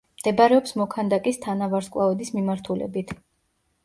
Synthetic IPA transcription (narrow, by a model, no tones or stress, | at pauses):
md̪̥ɛbaɾɛɔpsmɔkʰand̪akʼist̪ʰanavaɾskʼlˠaɔd̪ismimaɾt̪ʰulɛ̰bit̪ʰ